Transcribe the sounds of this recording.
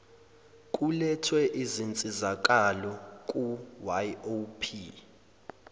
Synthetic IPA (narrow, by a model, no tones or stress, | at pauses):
kʼulɛtʰwɛʔizint͡sʼizak̬ʼalɔkʼuwajopʰi